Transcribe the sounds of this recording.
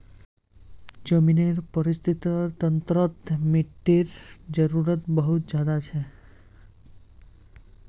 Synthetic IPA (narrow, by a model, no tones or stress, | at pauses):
d͡ʒəmineɾpəɾist̪ʰit̪ɾt̪ənt̪ɾət̪miʈːiɾd͡ʒəɾuɾət̪bəɦut̪̚d͡ʒjad̪at͡ʃʰe